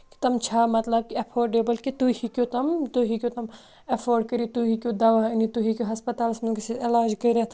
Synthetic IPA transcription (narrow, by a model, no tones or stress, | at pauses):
ki̥t̪ɐmt͡ʃʰaːmɐt̪lɐb̚kiɐpʰoːɾɖebɐlkit̪uɦikʲot̪ɐmt̪uɦikjoːt̪ɐm | ɐpʰoːɾɖ̚kɐɾit̪uɦikʲjod̪ɐʋaɐnit̪uɦikʲoɦɐspɐt̪aːlsmɐlkisielaːd͡ʒkɐɾa